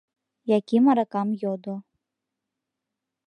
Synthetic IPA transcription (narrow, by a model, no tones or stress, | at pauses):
jakʲimɐɾakamjɔd̪ɔ